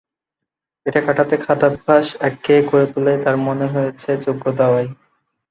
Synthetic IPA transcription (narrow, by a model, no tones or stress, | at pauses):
eʈakaʈat̪ekʰat̪ab̚bʱaʃɛkːekoɾet̪ulet̪aɾmoneɦojet͡ɕʰed͡ʑoɡʱːod̪aoaj